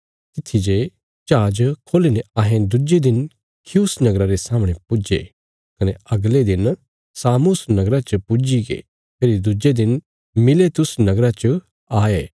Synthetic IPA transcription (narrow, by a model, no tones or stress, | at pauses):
t̪ɪt̪ʰːid͡ʒe | t͡ʃaːd͡ʒkʰoːlineaːɦẽd̪ʊd͡ʒed̪ɪn | kʰjusnɐɡɾaɾesaːmɽ̃epʊd͡ʒḛ | kɐneɐɡled̪ɪn | saːmʊsnɐɡɾat͡ʃəpʊd͡ʒiɡḛ | pʰeːɾid̪ʊd͡ʒed̪ɪn | mɪlet̪ʊsnɐɡɾat͡ʃə | aːeː